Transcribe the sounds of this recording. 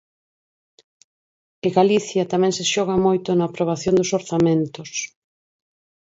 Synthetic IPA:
ɪɣaliθjɐt̪amɛ̃ŋsɪʃɔɣ̞ɐmojt̪ʊnɐːpɾoβ̞aθjond̪ʊsoɾθamẽnt̪os

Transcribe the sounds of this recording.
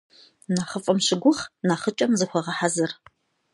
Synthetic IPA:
naːχəfʼɐmɕɪɡʷʊχnaːχət͡ʃʼɐmzɨxʷɐʁɐħazɨr

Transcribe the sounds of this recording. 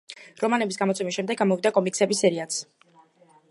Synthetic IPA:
ɾɔmanɛbisɡamɔt̪sʰɛmisʃɛmd̪ɛɡːamɔvid̪akʼɔmiksɛbisɛɾiat̪s

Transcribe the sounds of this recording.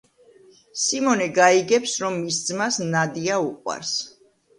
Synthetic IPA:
simɔnɛɡaiɡɛpsɾɔmːisd̪zmasnad̪iauqʼwa̰ɾs

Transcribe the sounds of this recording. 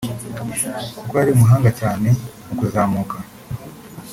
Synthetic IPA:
kukojaɾiumuɦaːŋɡacaːne̞nukuzaːmuːkʰa

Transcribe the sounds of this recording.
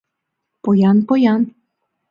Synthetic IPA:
pojɑnpojɑn

